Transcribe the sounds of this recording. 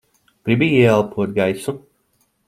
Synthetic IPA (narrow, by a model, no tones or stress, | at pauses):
ɡ̥ɾibiiɛɛlˠpʰuɔt̪̚ɡajsu